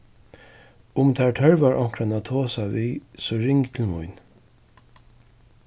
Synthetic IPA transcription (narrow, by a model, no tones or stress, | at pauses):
ʊmt̪ʰæɹʈʰœɹvaɹʔɔŋ̥kɾanat̪ʰoːsaʋiːsɔɹɪŋkt̪ʰɪlmʊ̰jn